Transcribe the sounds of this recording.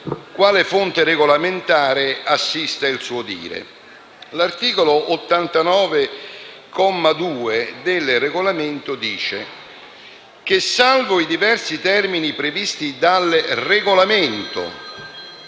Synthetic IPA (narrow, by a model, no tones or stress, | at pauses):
kwaːlefont̪ɪɾeɡolament̪aːɾeasːist̪ailsuːod̪ḭːɾḛ | lart̪iːkoloʔot̪ːant̪anɔːve | kɔmːad̪uːed̪ɪlreɡolamɪnt̪ʊd̪iːt͡ʃe | k̟ɪsːalvʊid̪ivɛrsit̪ɛrminipɾevist̪id̪alreɡolamɪnt̪o̰